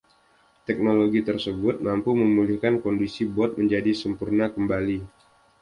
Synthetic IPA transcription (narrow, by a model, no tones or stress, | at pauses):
t̪ɛk̚noloɡit̪ərsəbʊt̪̚mampuməmulihkankɔndisibɔt̪̚məɲd͡ʒadisəmpurnakəmbali